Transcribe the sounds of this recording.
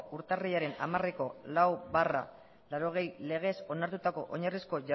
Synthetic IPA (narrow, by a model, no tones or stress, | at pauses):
uɾt̪ariʎaɾe̞na̰mareko̞lawβara̰ | laɾo̞ɣ̞e̞jle̞ɣ̞e̞so̞naɾt̪ut̪ako̞ʔo̞ɲarisko̞ʝa